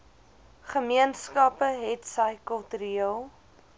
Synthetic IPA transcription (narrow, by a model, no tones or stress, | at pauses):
χəmiənskɐpəɦɛtsəjkəlˠtɾiiəlˠ